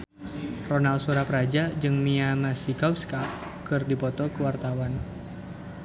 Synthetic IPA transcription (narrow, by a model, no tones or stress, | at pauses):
rɔnalsuɾapɾad͡ʒad͡ʒɨŋmiamasikapska | kɨrdipɔt̪ɔkəwart̪awan